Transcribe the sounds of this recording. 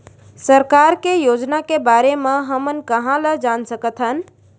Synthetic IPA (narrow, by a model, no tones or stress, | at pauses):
səɾkaɾkejod͡ʒnakebaɾemẽɦəmənkəɦãləd͡ʒansəkət̪ʰɦən